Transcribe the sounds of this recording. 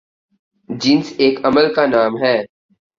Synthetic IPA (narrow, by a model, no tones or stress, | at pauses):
d͡ʒɪnseːkəməlkanaːmɦɛː